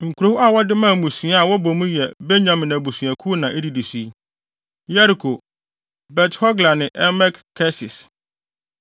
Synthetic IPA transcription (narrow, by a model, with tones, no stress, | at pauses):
ŋ̩˨kʰu˨ɾo˦hu˦a˨wɔ˦dɪ˦mã˦˨mũ˨su˨a˦a˨wɔ˦bɔ˨mũ˦jɛ˨bɛ˦ɲã˨mɪ̃˨nã˨bu˨su˨æ̃˨kʰu˦nã˨ʔɛ˦di˨di˨su˦i˦ | ja˦ɾi˨kʰo˨ | bɛ˨thɔ˦ɡla˨nɪ̃˨ʔɛ˦mɛ˦kkʰːɛ˦sɪ̰˨s